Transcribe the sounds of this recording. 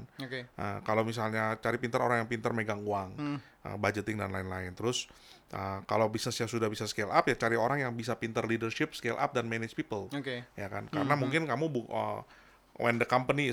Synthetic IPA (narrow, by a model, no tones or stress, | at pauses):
nokʔə̰kalawmis̬alɲat͡ʃaɾipint̪əɾo̰ɾaŋjaŋpint̪ərmeɡaŋuaŋ | ʔə̰bad͡ʒət̪ɪŋdanlaɪnlaɪnt̪əɾʊs | ʔəkalowbisnəsɲasudahbisaskelʔa̰pjat͡ʃaɾioɾaŋjaŋbisapint̪ərlidərʃɪp̚skelʔa̰p̚danmɛnɪd͡ʒpipəlokejaka̰nkaɾənamuŋkɪnkamubuə̰ | wʔɛ̰ndəkampəni